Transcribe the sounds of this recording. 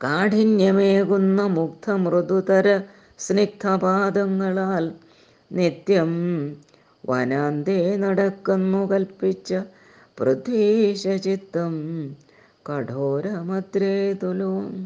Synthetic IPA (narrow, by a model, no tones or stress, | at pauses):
kaːʈinjɐmeːkunːɐmukt̪ʰɐmɾɨd̪ut̪ɐɾɐ | snik̚t̪ʰɐpaːd̪ɐŋːɐɭaːl | nit̪jɐm | ʋɐ̰naːnd̪enɐɽɐkːunːukɐlpit͡ɕːɐ | prɐd̪eːʂɐt͡ɕit̪ːɐm | kɐʈʰoːɾɐmɐd̪ɾeːt̪uloːm